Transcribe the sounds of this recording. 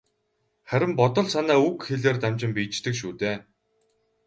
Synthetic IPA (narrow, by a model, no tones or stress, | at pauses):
χæɾʲɪ̆mpɔt̪ɞ̆ɮsanaːukxeɮeːrt̪amt͡ɕɪ̆mpiːt͡ɕt̪ɘ̆kʃuːt̪eː